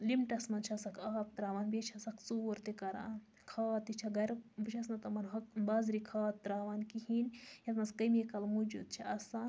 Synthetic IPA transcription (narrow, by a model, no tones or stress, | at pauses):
limʈɐsmɐnt͡ʃʰɐsɐkʰaːp̚t̪ɾaːʋaːnbet͡ʃʰɐsɐkt͡suːɾt̪ekɐɾa̰n | kʰaːt̪it͡ʃʰɐɡɐɾbɨt͡ʃʰɐsnɐt̪ɐmɐnɦɐk̚bɐzɾikʰaːt̪ːɾaːʋankiɦinjɐt̪mɐskɐmekɐlmud͡ʒṵd̪̚t͡ʃʰiʔɐsa